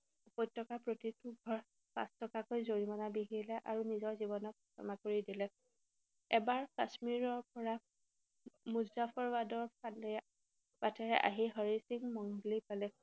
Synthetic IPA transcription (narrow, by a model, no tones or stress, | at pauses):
pɔjt̚tːɔkapɹotituɡʱɔɹ | pã̰stɔkakojzoɹimanabiɦilɛʔaɹunizɔɹzibɔnɔt̚kʰɔ̰makoɹidilɛ | ɛbaɹkasmiɹɔɹpɔɹa | muzapʰɔɹwadɔɹpʰalɛ | b̥atʰɛɹɛʔa̰ɦiɦɔɹisiŋmɔŋɡlipalɛ